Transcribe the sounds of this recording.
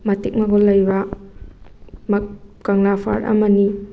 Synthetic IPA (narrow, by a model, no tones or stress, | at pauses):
mɐtik̚maɡɔlːɐjba | mkaŋlapʰa̰ɾɐ̰mɐni